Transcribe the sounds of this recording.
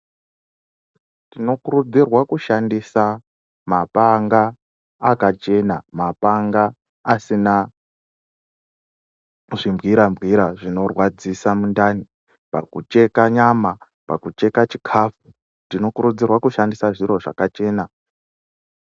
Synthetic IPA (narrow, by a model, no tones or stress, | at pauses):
tino̞kurud͡zirwakuʃandisa | mapaŋɡaː | kat͡ʃe̞namapaŋɡaː | sina | ʐimbɣiɾambɣiɾaʐino̞rwad͡zisamundani | pa̰kut͡ʃe̞kaɲama | pakut͡ʃe̞kat͡ʃikʰafu | tino̞kuɾud͡zirwakuʃandisaʐiɾo̞ʐa̰kat͡ʃe̞ːna